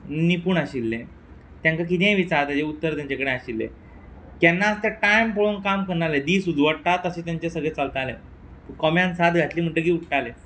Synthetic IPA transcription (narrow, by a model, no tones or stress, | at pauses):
nipuːɳaɕilːẽ | t̪jãŋkak̬it̪ẽɦʋit͡saɾt̪ad͡ʑeut̪ːəɾt̪jãɲt͡ɕakəɽeaɕilːḛ | k̪janːaəst̪eʈajmpoɭonkamkəɳaled̪iːsud͡zʋəɽt̪at̪əɕeːt̪jaɲt͡ɕesəɡɭet͡salt̪alẽ | pəkɔmjãnsad̪ɡʱat̪liːm̤əɳʈəɡiːuʈʰʈale